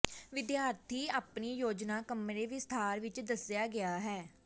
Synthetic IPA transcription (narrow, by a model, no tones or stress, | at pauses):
ʋɪd̪jaːɾt̪ʰiːaːpniːjoːd͡ʒnaːkəmɾeːʋiːst̪ʰaːɾʋɪt͡ʃd̪əsjaːɡɪaːɦɛː